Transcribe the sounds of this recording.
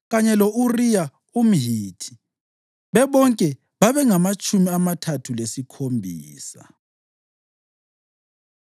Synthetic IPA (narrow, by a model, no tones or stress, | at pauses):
ɣaɲɛlɔʔurija | um̩ɦiːtʰi̥ | βɛβɔŋkʼɛ | βaβɛŋamat͡ʃʼumiamatʰatʰulesikʰombʱiːsa̰